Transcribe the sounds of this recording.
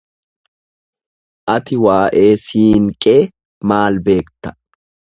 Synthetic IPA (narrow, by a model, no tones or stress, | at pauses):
ʔɐt̪ɪwaːʔe̞ːsiːŋkʼeː | maːlbe̞ːkt̪ɐ̥